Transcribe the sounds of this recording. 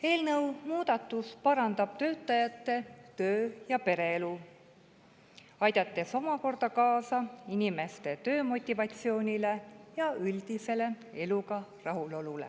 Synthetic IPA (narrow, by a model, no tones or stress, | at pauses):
e̞ːlnɤwmuːd̪̥ɑt̪ːˑuspɑɾɑnd̪ɑb̥t̪ø̞ːt̪ːˑɑjɑt̪ˑːe̞t̪øːjɑpe̞ɾe̞elu | ɑjd̪̥ɑt̪ːe̞so̞mɑko̞rd̪ɑkɑːsɑinime̞st̪e̞t̪ø̞ːmo̞t̪ʲːˑivɑt̪ʲsio̞ːnʲile̞jɑyld̪̥ise̞le̞ | e̞luɡɑrɑɦulo̞lulḛ